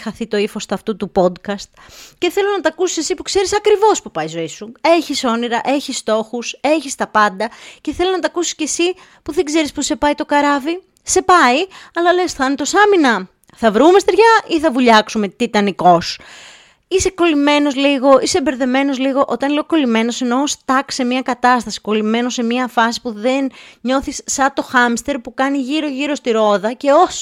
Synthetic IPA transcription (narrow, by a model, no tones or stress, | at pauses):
xɐθit̪o̞ifo̞st̪ɐft̪ut̪upo̞d̪kɐst̪ | ce̞θe̞loznɐt̪ɐkusi̥sesipukse̞ɾisɐkɾivo̞spupɐizo̞isue̞çiso̞niɾɐʔe̞çist̪o̞xuse̞çist̪ɐpɐnd̪ɐce̞θe̞loznɐt̪ɐkusi̥sce̞si | puðeɡze̞ɾispuse̞pɐit̪o̞kɐɾɐvi | se̞pɐiɐlɐle̞sθɐnt̪o̞sɐminɐ | θɐvɾume̞st̪eɾʝɐiθɐvuʎɐksume̞t̪it̪ɐniko̞s | ise̞ko̞lime̞no̞zliɣo̞ise̞be̞ɾðe̞me̞no̞zliɣo̞ʔo̞t̪ɐnle̞oko̞lime̞no̞se̞no̞st̪ɐkse̞mɲɐkɐt̪ɐst̪ɐsi̥ko̞lime̞nose̞mɲiɐfɐsi̥puðenɲo̞θisːɐt̪o̞xɐmst̪e̞ɾpukɐniʝiɾo̞ʝiɾo̞st̪iɾo̞ðɐce̞os